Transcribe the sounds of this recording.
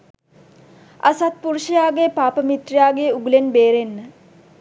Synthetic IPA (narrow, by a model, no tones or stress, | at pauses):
a̰sat̪̚puɾuʃijaːɡepaːpəmit̪rijaːɡeuɡulenbeːɾenːə